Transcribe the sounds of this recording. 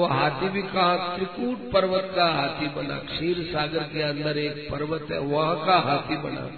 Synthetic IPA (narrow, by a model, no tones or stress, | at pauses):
ʋɐɦaːt̪iʋikaãt̪ɾikuːʈ̚pɐɾʋət̪kaɦaːt̪ibɐna̰kʂiːɾsaːɡəɾkeɐnd̪əɾeːk̚pɐɾʋət̪ɛ̰ʋɐɦãkaɦaːt̪ibɐ̰na̰ː